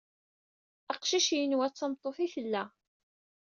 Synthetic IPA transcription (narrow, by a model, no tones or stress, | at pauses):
ɑqʃiʃjənwæt͡sːɑmt̪ˤːoθiθəlːæ